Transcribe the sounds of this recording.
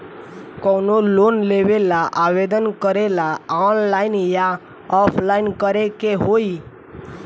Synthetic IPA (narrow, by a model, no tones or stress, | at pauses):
kɔnolonleʋelaʔaʋed̪ənkəɾelaɔːnlaɪnja | ɔpʰlaɪnkəɾekeɦoi